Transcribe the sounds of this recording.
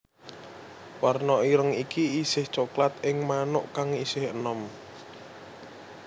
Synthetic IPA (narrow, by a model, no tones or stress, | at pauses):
warnɔiɾəŋikiisɪht͡ʃoklat̪̚ɪŋmanʊʔkaŋisɪhənɔm